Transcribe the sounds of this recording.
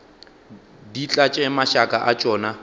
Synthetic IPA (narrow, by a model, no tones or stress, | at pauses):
dit͡ɬʼat͡ʃʼɛmaʃakʼaʔat͡ʃʼɔːna